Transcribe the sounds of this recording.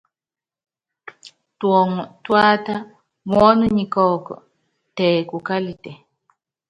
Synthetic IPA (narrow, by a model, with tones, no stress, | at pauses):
twɔ˨ŋɔ˨twaː˦ta˦ | mwɔ˦nu˦ɲi˨kɔ˦˨kɔ̰˨ | tɛ˨ku˨ka˦li˨tɛ˨